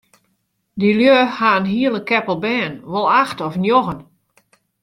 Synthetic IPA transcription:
diljøhaənɦiəlˠəkɛpəlˠbɛːnʋɔlˠaxtɔfənjoɣən

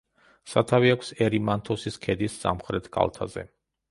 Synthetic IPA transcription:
sat̪ʰaviakʷʰsɛɾimant̪ʰɔsiskʰɛd̪isːa̰mχɾɛt̪ʰɡʰa̰lˠt̪ʰa̰zɛ̰

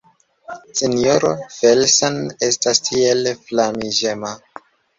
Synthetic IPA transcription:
senijoɾofelsone̞stastʰielflamiʒema

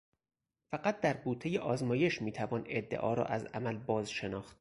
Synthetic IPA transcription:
fæɢæt̪̚d̪æɾbuːt̪ʰːejeʔɒːzmɒːje̞ʃmiːt̪ʰævɒːne̞d̪ːḛʔɒ̰ːɾɒ̰ːʔæzæ̰mælbɒːzʃe̞nɒːxt̪

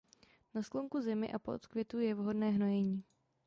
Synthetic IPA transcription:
naskloŋkuzɪmɪ̰ʔapoʔot̪kvjɛt̪ujɛvɦo̞dnɛːɦno̞jɛɲiː

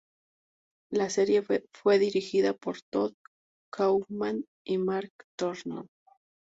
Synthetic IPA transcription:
lase̞ɾje̞fwe̞ðiɾixiðapo̞ɾt̪oð | kʰawman | imaɾkt̪oɾno

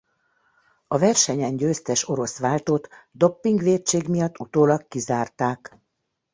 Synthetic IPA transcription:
ɒvɛrʃɛɲɛɲɟøːst̪ɛʃo̞ɾo̞sʋaːlt̪oːt̪d̪o̞pːiŋɡʋeːtt͡ʃeːɡmijɒt̪ːut̪oːlɒkːizaːrt̪aːk

